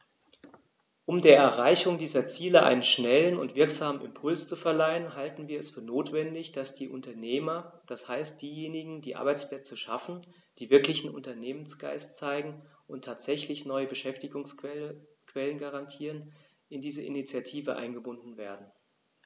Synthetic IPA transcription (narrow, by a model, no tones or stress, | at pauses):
ʔʊmdeːɐʔɛɐʁaɪçʊŋdiːzɐt͡siːləʔa̰ɪnənʃnɛlənʊ̰ntv̥ɪɐkz̥aːməmɪ̰mpʰʊlst͡sufɛɐlaɪənɦaltn̩viːɐɛsfyːɐnoːtv̥ɛndɪçd̥asd̥iːʔʊntɐneːmɐd̥ashaɪst̚d̥iːjeːnɪɡŋ̩diːʔa̰ɐbaɪt͡splɛt͡səʃafn̩ | d̥iːvɪɐklɪçn̩ʔʊ̰ntɐneːmənsɡ̥a̰ɪstt͡saɪɡŋ̩ʔʊntʰːaːtz̥ɛçlɪçnɔʏəbəʃɛftɪɡʊŋs | kv̥ɛlənɡaʁantʰiːʁən | ɪndiːzəʔɪ̰nit͡sjatʰiːvəʔa̰ɪnɡəbʊndn̩veːɐdn̩